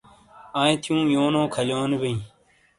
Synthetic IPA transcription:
ãːt̪ʰjũːjoːnõːkʰəloːnebẽĩː

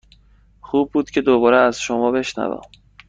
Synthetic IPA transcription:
xuːb̚ːuːd̪cʰe̞d̪obɒːɾeæz̥ʃomɒːbe̞ʃnæ̰væ̰ːm

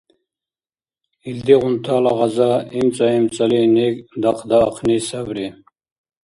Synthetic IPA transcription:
ild̪iʁʊnt̪ʰaːlaʁɑzaimt͡sʼaimt͡sʼalinikd̪ɑqʰd̪aːqʰnisabɾi

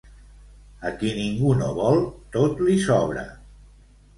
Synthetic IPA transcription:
əkiniŋɡuno̰βɔlˠt̪ot̪lisɔβɾə̰

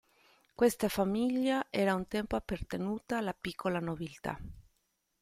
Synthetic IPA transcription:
kwest̪afamiʎːaʔɛːɾaunt̪ɛmpoapːart̪enuːt̪aːlːapikʰːolanobilt̪a̰

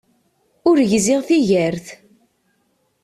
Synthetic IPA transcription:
ʊɾʝzɪʁθiʝəɾθ

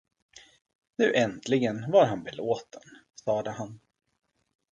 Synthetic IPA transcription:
nʉ̟ːʔɛnt̪ʰlɪɡənvaɾɦanbɛloːt̪ən | sɑːd̪əɦan

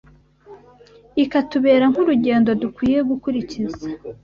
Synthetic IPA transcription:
ikatuβe̞ːɾaŋ̥huɾuɟe̞ːndo̞dukwiːje̞ɡukuɾiciza

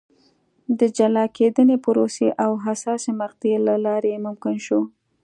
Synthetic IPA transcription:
d̪əd͡ʒalɑkʰed̪ənepʊɾoseʔawɦasɑsemaqd̪elalɑɾeemʊmkɪnʃo

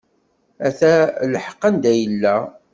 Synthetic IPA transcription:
æθælħəqːənd̪æjəlːæ

